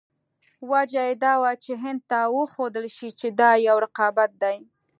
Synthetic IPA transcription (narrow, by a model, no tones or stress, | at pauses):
wad͡ʒajed̪ɑwat͡ʃeɦɪnd̪̚t̪awəxod̪əlʃit͡ʃed̪ɑjawɾɪqɑbat̪̚d̪aj